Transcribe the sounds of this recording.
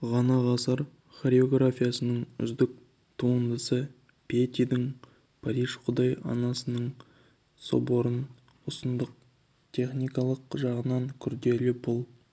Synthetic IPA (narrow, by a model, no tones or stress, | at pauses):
ʁɑnɑʁɑsəɾ | χoɾeo̞ɡrafʲijasənəɴʏ̰zd̪ɪk̚ | t̪ʰuənd̪əsə | pʲʰet̪id̪ɪŋ | pʰaɾiʒqʰʊd̪ɑjɑ̰nɑsənəɴ | so̰boɾən | ʊsənd̪əq̚ | t̪ʲʰe̞χnijkɑlˠəqʒɑʁənɑŋkʲʰʏɾd̪e̞lɪpʰʊlˠ